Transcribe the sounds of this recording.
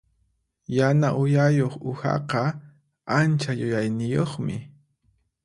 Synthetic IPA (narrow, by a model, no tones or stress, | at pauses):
janaʔʊjajoχʊxɑ̰qɑ | ant͡ʃajʊjajnɪjoχmɪ̰